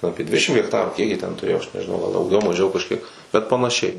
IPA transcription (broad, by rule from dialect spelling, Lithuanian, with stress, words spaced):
ˈɑːpʲiɛ ˈdʲʋʲɪdʲɛʃʲɪm ɣʲɛkˈtɑːruː kʲiɛk jiɛ tʲɛn tʊˈrʲeːjoː ɐʃ nʲɛʒʲɪˈnɐʊ ɡɐlˠ dɐʊˈɡʲɛʊ mɐˈʒʲɛʊ kɐʃʲˈkʲiɛk bʲɛt pɐnɐˈʃʲɛɪ